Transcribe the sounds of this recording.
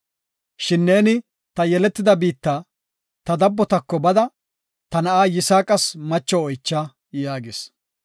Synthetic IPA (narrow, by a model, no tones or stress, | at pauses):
ʃɪnːe̞ːnɪ | t̪ɐjɛlɛt̪ːɪd̪ɐbiːt̪ːaː | t̪ɐd̪ɐbːɔt̪ɐkːɔbɐd̪ɐ | t̪ɐnɐʔaːjɪsaːkʼɐsmɐt͡ʃːɔɔjt͡ʃːaː | jaːɡɪs